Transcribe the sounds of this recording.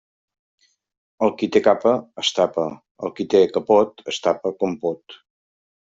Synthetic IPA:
əlˠkit̪ekapəːst̪apə | ə̰lˠkit̪ekəpɔt̪əst̪apəkɔmpɔt̪

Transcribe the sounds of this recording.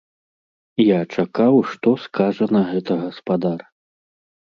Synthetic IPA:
jat͡ʂakawʂt̪ɔskaʐɐnɐɣɛt̪ɐɣɐspad̪ar

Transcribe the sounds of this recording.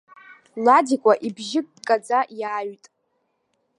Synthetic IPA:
ladikʷʼaʔibʒɪk̚ʼdkʼad͡zajaːɥtʼ

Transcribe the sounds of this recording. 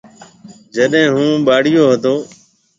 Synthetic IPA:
d͡ʒəɗɦẽːɦũːɓaːɽɪjoːɦət̪oː

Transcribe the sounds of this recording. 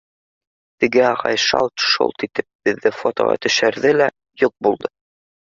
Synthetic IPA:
t̪ɘ̆ɡɘɑʁɑ̰jʃɑ̰lˠt̪ʃṵlˠt̪it̪ɘp̚bɘ̆ðːɘfot̪o̰ʁɑ̰t̪ɵ̆ʃæɾðɘlæ | juq̚bulˠd̪ɤ

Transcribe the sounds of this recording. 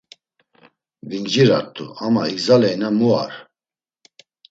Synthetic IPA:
vind͡ʒiɾaɾt̪ʰʼṵamaiɡzalɛjnamua̰ɾ

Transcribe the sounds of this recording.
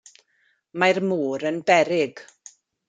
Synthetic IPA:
majrmuːɾənbɛɾɪɡ

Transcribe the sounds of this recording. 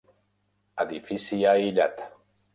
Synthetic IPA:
ad̪ifisijailat̪

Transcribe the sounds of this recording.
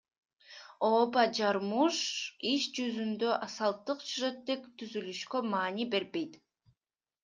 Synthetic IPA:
oːbɑd͡ʒɑɾmuʃiʃd͡ʒyzynd̪øʔɑsɑlˠt̪ːɯqsyʒet̪ːekt̪ʰyzylyʃkømɑːnibe̞ɾbe̞jt̪

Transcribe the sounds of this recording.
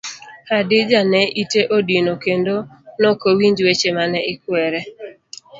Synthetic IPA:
kadɪd͡ʒanɛʔiteʔodinokendonɔkowiɲd͡ʒwet͡ʃemanɛɪkwɛɾɛ

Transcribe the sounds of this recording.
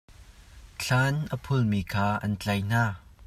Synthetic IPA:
ɬʰanʔəpʰʊlmiːkʰaːʔɐ̰nt͡ɬɐjn̥aː

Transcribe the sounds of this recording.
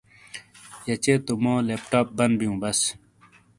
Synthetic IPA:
jɐt͡ɕeːt̪umõːleːp̚ʈaːp̚bɐnbijũːbɐs

